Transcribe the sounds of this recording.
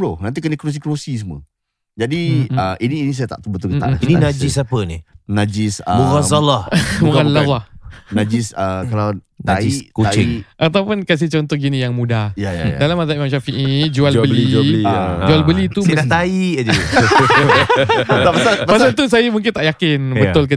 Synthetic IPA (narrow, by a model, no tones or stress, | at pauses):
bɾonant̪̬ikənikɾus̬ikɾosis̬əmwə̰ | d͡ʒadiəʔiniːnis̬ajat̪a̰ʔt̪əbət̪ulkət̪a̰ʔnaininãd͡ʒisapənḭnad͡ʒisəɣazalaualaahnãd͡ʒisəkalaw | naisʔkuat͡ʃɪiʔat̪awpʊnkas̬it͡ʃɔnt̪ɔhɡinĩjaŋmũdahjaja̰jdalamazaimãmʃafiʔid͡ʒualbbəliaid͡ʒualbəlit̪umdat̪aiʔad͡ʒ | tapasapapasat̪us̬ajamuŋk̬ɪnt̪aʔjakɪnbbəʊlk̬ə